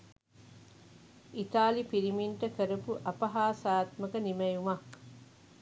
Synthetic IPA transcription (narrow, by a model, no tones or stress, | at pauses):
it̪aːlipiɾimiɳʈɐkəɾɐpuʔɐpɐɦaːsaːt̪mɐkɐnimɐjuma